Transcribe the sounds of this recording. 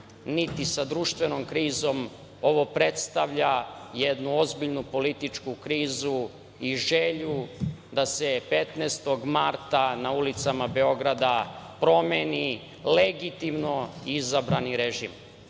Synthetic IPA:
nit̪isad̪ɾuːʃt̪ʋe̞no̞mkɾiːzo̞m | o̞ʋo̞pɾe̞t̪st̪aʋʎajed̪nuo̞zbiʎnupo̞lit̪it͡ʃkukɾiːzu | iʒeʎud̪ase̞pet̪neːst̪o̞ɡmaɾt̪anaulit̪samabe̞o̞ɡɾad̪apɾo̞meni | leɡit̪imno̞iizabɾaniɾeʒḭm

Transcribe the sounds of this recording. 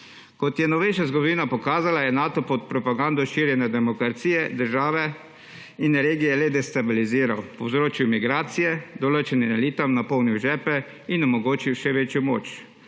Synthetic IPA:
kɔt̪jɛnɔʋeʃazɡɔd̪ɔʋiːnapɔkaːzalajɛnaːt̪ɔpɔt̪̚pɾɔpaɡand̪ɔʃiɾjɛnɛd̪ɛmɔkɾat̪siːjɛd̪əɾʒaːʋɛ | inɾeːɡijɛlɛd̪ɛst̪abiliziːɾawpɔwzɾoːt͡ʃjumiɡɾaːt̪sijɛd̪ɔloːt͡ʃɛnimɛliːt̪amnapɔwniwʒɛːpɛ | inɔmɔɡoːt͡ʃiwʃɛʋeːt͡ʃjɔmo̰ːt͡ʃ

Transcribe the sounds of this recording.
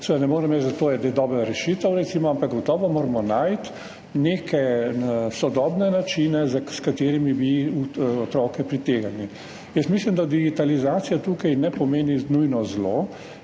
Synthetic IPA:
sɛd̪anɛmoːɾɛmɛt͡ʃzat̪oːjɛd̪ed̪ɔːbɾaɾɛʃit̪əwɾɛt̪simɔampakɡɔt̪ɔːʋɔmoːɾmɔnajt̪ | neːkɛ | sɔd̪ɔːbnɛnat͡ʃinɛzaskat̪eːɾimibiuɔt̪ɾɔːkɛpɾit̪eːɡalni | jəst̪mislimd̪ad̪iɡit̪alizaːt̪sijat̪uːkajnɛpɔmeːninujnɔzlo

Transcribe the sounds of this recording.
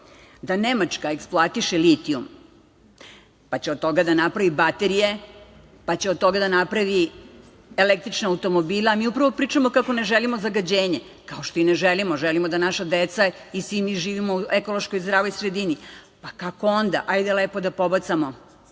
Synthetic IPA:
d̪anemat͡ʃkaeksploat̪iʃelit̪ium | pat͡ɕeod̪̚t̪o̞ɡad̪anapɾaʋibat̪e̞ɾije̞ | pat͡ɕeod̪̚t̪o̞ɡad̪anapɾaʋi | elek̚t̪ɾit͡ʃnaːwt̪o̞mobiːlˠaːmiːupɾaʋo̞pɾiːt͡ʂamokako̞ne̞ʒelimozaɡad͡ʑeːɲe | kaoʃt̪o̞ineʒelimoʒelimod̪anaʃad̪et̪sa | isʋimiʒiːʋimo̞ueko̞lo̞ʃko̞jzd̪ɾaːʋojsɾed̪ini | pakakoond̪a̰ʔajd̪ele̞pod̪apo̞bat̪samo

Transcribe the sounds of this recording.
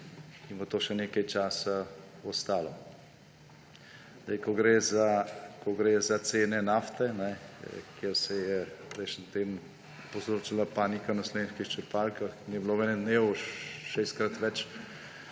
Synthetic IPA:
inbot̪oːʃɛneːkɐjt͡ʃaːsaɔst̪aːlɔ | zd̪ɛjkɔɡɾeːzakɔɡɾeːzat̪seːnɛnaːft̪ɛnɛkjeɾsɛjɛɾesnt̪eːm | powzɾoːt͡ʃilapaːnikanaslenʃkixt͡ʃəɾpaːlkaxniɛbloːɛnɛd̪neːwʃeːst̪̚kɾat̪ʋɛt͡ʃ

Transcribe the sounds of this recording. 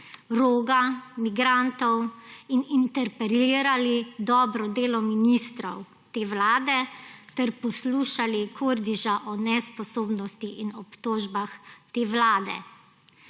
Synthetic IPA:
ɾoːɡamiɡɾant̪ɔwinint̪ɛɾpɛɾiːɾalid̪ɔːbɾɔd̪eːlɔminist̪ɾɔw | t̪eːʋlaːd̪ɛt̪ɛɾpɔsluːʃalikʰoɾd̪iʒaʔɔnɛspɔsoːbnɔst̪iʔinɔpt̪oːʒbaxt̪eːʋlaːd̪ɛ̰

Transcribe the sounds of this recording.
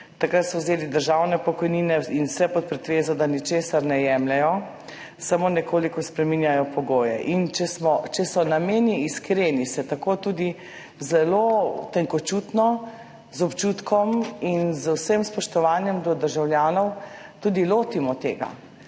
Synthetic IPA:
t̪akɾat̪sɔwzeːlid̪əɾʒawnɛpɔkɔjniːnɛinwsɛpɔt̪̚pɾɛt̪ʋeːzɔd̪anit͡ʃeːsaɾnɛjɛmlɛjɔ | samoːnɛkoːlikɔspɾɛminjajɔpɔɡoːjɛ̰ʔint͡ʃɛsmɔt͡ʃɛsɔnameːniːskɾeːnisɛt̪akot̪uːd̪i | zɛlot̪ɛŋkɔt͡ʃuːt̪nɔ | zɔpt͡ʃuːt̪kʰɔminzəwsəmspɔʃt̪ɔʋaːnjɛmd̪ɔd̪əɾʒawljaːnɔwt̪ud̪iloːt̪imɔt̪eːɡa̰

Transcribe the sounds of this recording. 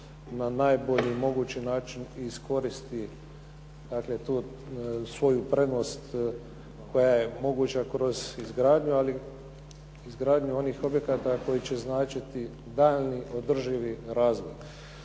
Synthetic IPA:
nanajbo̞ʎimo̞ɡuːt͡ɕinaːt͡ʃiniːsko̞ɾist̪i | d̪akle̞t̪uː | sʋo̞jupɾe̞d̪nost̪ | ko̞jajemo̞ɡuːt͡ɕakɾo̞zizɡɾaːd̪ɲuali | izɡɾaːd̪ɲuo̞niːxo̞bje̞kat̪ako̞jit͡ɕe̞znaːt͡ʃit̪i | d̪aʎniʔo̞d̪r̩ʒiʋiɾaːzʋo̰j

